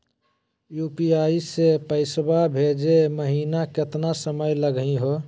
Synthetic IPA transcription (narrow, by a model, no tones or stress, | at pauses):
jupiaːisepəɪsbabʱed͡ʒeməɦiːnakɪt̪nasəməjləɡĩɦo